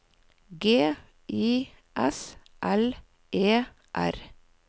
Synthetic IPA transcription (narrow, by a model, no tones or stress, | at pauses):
ɡeː | ʔiː | ʔɛs | ʔɛl | ʔeː | ʔæ̰ɾ